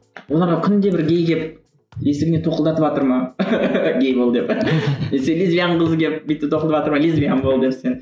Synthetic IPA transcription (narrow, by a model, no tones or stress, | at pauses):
wo̞lˠɑɾʁɑkʲʰʏnd̪e̞bɪɾɡʲe̞jɡʲe̞p̚ | esɪɡʲɪnet̪ʰo̞qəlˠd̪ɑt̪əpɑt̪əɾmɑ | ɡʲejbolˠd̪epneselizvijanəɴqəzəɡʲep̚bit̪ːɪt̪ʰoqlˠəpvɑt̪əɾmɑlizvijanbolˠd̪epsen